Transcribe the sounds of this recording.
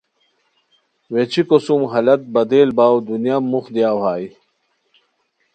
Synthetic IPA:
wet͡ɕʰikosumɦɐlɐt̪̚bɐd̪eːlbaːwd̪unjamːuxd̪jaːwɦaːi

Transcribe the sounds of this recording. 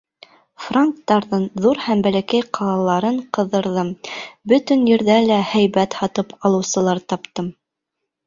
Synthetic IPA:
fraŋk̚t̪ːɑɾðɤɴðuɾhæmbælækæjqʰɑlˠɑlˠɑɾɤɴqɤ̆ðɤ̆ɾðɤmbɵt̪ɘ̆njɘ̆ɾðælæhæjβæt̪hɑt̪ɤpɑlˠɤ̆wsɤ̆lˠɑɾt̪ɑpt̪ɤm

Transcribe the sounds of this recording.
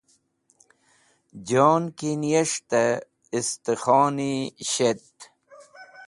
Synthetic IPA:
d͡ʑoːnkinijɐʂt̪ɐ | ist̪exɔːniɕet̪

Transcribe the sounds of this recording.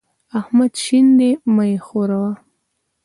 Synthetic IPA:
ahmad̪ʃind̪emajexoɾawa

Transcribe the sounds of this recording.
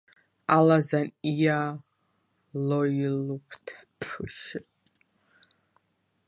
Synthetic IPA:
alazanija | lojilupʰtʰpʰħʷɨʃɪ

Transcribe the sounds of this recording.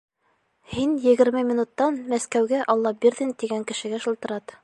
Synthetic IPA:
hinjɘ̆ɡɘ̆ɾmɘmʲinut̪ːɑnmæskæwɡæʔɑlˠːɑbiɾðɘnt̪iɡæŋkɘ̆ʃɘ̆ɡæʃɤ̆lˠt̪ɤ̆ɾɑt̪

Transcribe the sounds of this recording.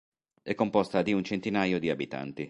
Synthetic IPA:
ɛkːompɔst̪ad̪iunt͡ʃent̪inaːjod̪iabit̪a̰nt̪i

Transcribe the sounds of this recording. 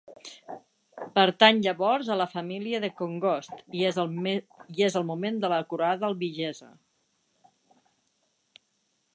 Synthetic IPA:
pəɾt̪aɲʎəβɔɾzələfəmiliəðəkoŋɡɔst̪ | iezəlˠmumend̪ələkuɾaðəəlˠβiʒɛzə̰

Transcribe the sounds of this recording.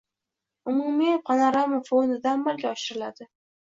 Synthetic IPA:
ʊmumijep̚qʰɑnaɾamafonɪd̪amːalɡʲaɒʃɪɾɪlad̪ɪ

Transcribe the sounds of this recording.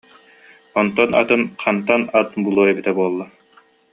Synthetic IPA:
ɔnt̪ɔna̰t̪ɯnqʰant̪anat̪bulˠuːɛbit̪ɛbuɔlˠːa

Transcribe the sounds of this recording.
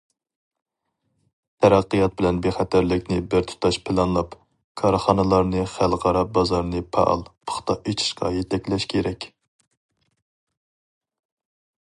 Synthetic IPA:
t̪ʰɛɾæqːijɑt̪̚bɪlɛnbeχæt̪ʰæɾlɪkʲnɪbɪɾt̪ʰu̥t̪ʰɑʃpʰɪlˠɑnlˠɑp | kʰɑɾχɑnɨlˠɑɾnɨχælˠʁɑɾɑp̚bɑzɑɾnɨpʰɑ̰ʔlˠpʰə̥χt̪ʰɑet͡ʃʰi̥ʃqɑ̰jɛt̪ʰɛkʲlɛʃkʲʰeɾɛkʲ

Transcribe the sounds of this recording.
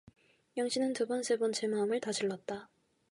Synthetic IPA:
jʌŋɕʰinɯntubʌnsʰe̞bʌnt͡ɕe̞maɯmɯɭtad͡ʑɯɭːʌt̚t͈a

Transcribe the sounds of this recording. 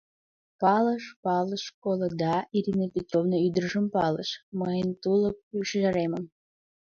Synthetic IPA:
pɑləʃpɑlˠəʃkolˠəd̪ɑiɾinəpʲet̪rovnəyd̪əɾʒəmpɑlˠə̰ʃməjənt̪ulˠəp̚yʃʒɑɾeməm

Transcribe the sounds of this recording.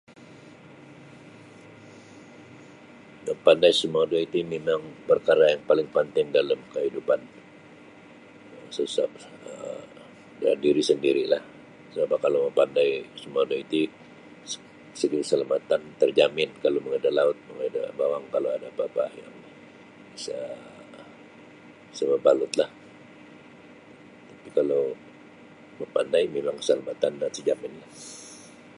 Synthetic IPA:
məpandajsəmadoit̪umemaŋpərkaɾajaŋpalɪŋpənt̪ɪŋdaləmkəɦidupan | əsəsap̚ə | dadiɾisəndiɾilah | səbapakaloməmpandajsəmadoit̪u̥ | səɡikəsalamat̪ant̪ərd͡ʒamɪnkaloməŋadalaʊt̪̚məŋada̰bawaŋkaloadabapajaŋ | bbisa | isababalʊt̪lah | t̪apikalow | məpandajmemaŋkə̥salamat̪anat̪ərd͡ʒamɪnlah

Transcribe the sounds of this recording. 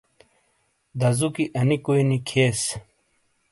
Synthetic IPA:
d̪ɐzukiʔɐnikuinikʰeːs

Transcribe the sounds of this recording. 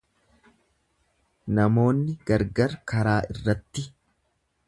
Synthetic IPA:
nɐmo̞ːnːɪɡɐɾɡɐɾkɐɾaːʔɪrːɐt̪ːɪ

